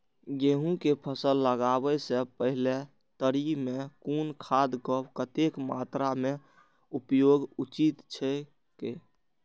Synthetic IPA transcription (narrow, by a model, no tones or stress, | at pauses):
ɡeɦũkepʰəsəlːəɡabəsẽpəɦile | t̪əɾimekunkʰad̪kəbkət̪ekmat̪ɾame | upjoɡut͡ʃit̪t͡ʃʰɛ | ke